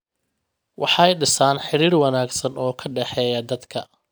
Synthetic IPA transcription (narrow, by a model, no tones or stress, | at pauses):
wʔɑħɑjɖɪsaːnħɪɾiːrwɑnaːɡsɐnɔːkʰɐɖɛħɛːjɐd̪ɐd̪kʰɐ̰